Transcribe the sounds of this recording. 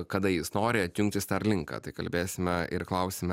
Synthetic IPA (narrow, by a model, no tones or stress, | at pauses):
kɐd̪ɐjɪsnoːɾʲɪɐt̪ʲjʊŋʲkt̪ʲɪst̪ɐɾlʲɪŋkɐ̰ːt̪ɐɪkɐlʲbʲeːsʲɪmʲɛʔɪɾklˠɐʊsʲɪmʲɛ